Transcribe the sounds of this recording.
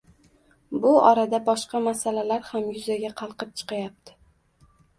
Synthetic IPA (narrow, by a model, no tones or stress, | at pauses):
bʊɒ̰ɾad̪abɒʃqɑmasalalaɾhamjʊzaɡʲaqʰɑlˠqɨp̚t͡ʃʰɨ̥qɑjap̚t̪ʰɪ̥